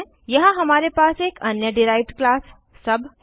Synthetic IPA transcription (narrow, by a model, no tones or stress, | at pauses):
jəɦãɦəmaːɾepaːseːkənjəɖiɾaːɪʈklaːsː | əbʱ